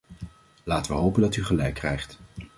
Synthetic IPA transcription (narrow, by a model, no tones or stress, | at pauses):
laːtəʋəɦowpəndɑtyχəlɛjkːrɛ̰jχt